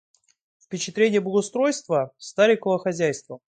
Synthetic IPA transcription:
fpʲɪt͡ɕɪt̪ɾʲenʲɪjəbəɡəʊst̪ɾo̞jst̪vəst̪aɾʲɪkəvəxɐzʲæjst̪və

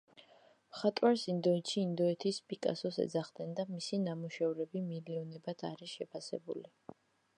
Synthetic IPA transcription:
mχat̪ʼwaɾsind̪ɔɛt̪ʃiːnd̪ɔɛt̪ʰispʼikʼa̰sɔsɛ̰d̪zaχd̪ɛnd̪amisinamuʃɛvɾɛbimiliɔnɛbat̪ʰa̰ɾiʃɛpʰasɛ̰bṵli

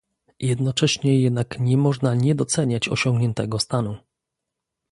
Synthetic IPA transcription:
jɛd̪nɔt͡ʂɛɕɲɛjɛd̪̚nakɲɛmɔʐnaɲɛd̪ɔt̪sɛɲat͡ɕɔ̰ɕɔŋɡɲɛnt̪ɛɡɔst̪anu

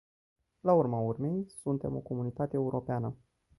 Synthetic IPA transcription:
laurmaurme̞jsunt̪e̞mo̞ko̞munit̪at̪eːuɾʔo̞peanə

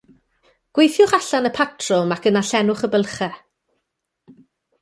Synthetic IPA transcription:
ɡ̥wejθjʊχaɬanəpʰatʰrɔmakənaɬɛnʊχəbəlˠχɛ

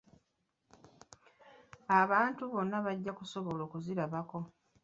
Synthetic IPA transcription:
aβaːntuβo̞nːaβaɟːakuso̞βo̞loːkuziɾaβako̞

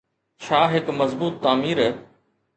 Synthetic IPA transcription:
ʃʰaːɦɪkmɐzbuːt̪ːaːmiːɾ

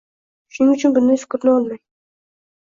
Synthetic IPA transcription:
ʃʊnɪŋʊt͡ʃʰʊnbʊnd̪ɪfɪ̥kʲɾnɪɒlˠmaj

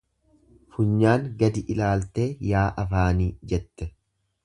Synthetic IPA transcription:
fʊɲːaːŋɡɐd̪ɪʔɪlaːlt̪eːjaːʔɐfaːniːd͡ʒɛt̪ːɛ

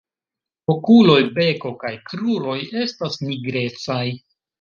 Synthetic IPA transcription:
okulo̞jbe̞ko̞kajkɾuɾo̞je̞stasniɡɾe̞t͡saj

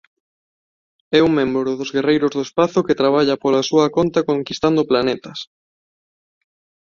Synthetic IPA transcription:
ɛuŋmẽmbɾɾʊðʊzɣerejɾʊzðoespaθʊket̪ɾaβ̞aʎɐpolasuɐkont̪ɐkoŋkist̪and̪ʊplanet̪ɐs

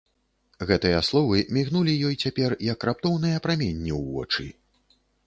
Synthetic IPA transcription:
ɣɛt̪ɨjɐslˠɔvɨmʲiɣnulʲijɔjt͡sʲapʲɛrjɐkrap̚t̪ɔwn̪ɨjɐpɾamʲenʲːiwvɔ̰t͡ʂɨ

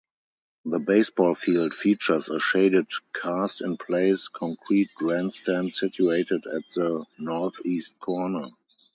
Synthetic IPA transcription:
ðəbeɪsbɔːlfiːldfiːt͡ʃə˞səʃeɪdɪdkʰastɪ̃npʰleɪskʰɔ̃ŋkʰɹiːt̚ɡɹæ̃nstæ̃ntsɪtʰjueɪtɪdæt̚ðənɔθiːst̚kʰɔɹnə

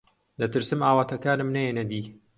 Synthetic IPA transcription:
d̪ɐt̪ɨɾsɨmaːwaːt̪ʰɐkaːnɨmnɐjenɐd̪iː

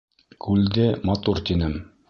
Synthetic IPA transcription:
kʰʉld̪ɘmɑt̪uɾt̪inɘm

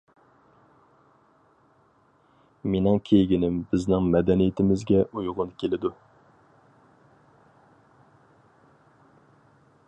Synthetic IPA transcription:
menɪŋkʲʰejɡʲinɪmbɪznɪŋmɛd̪ɛnijɪt̪ʰɪmɪzɡʲɛʔujʁʊnkʲʰelɪd̪u

